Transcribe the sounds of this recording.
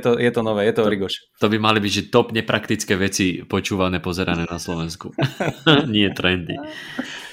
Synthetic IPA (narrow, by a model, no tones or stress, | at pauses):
ɛt̪ɔjɛt̪ɔnɔʋɛːjɛt̪ɔɾiɡɔʃ | t̪ɔbimalibiɟʒɛt̪ɔpɲɛpɾakt̪it͡skɛːʋɛt͡sipɔt͡ʃuːʋanɛːpɔzɛɾanɛːnaslɔʋɛnsku | ɲɪɛt̪ɾɛnd̪ḭ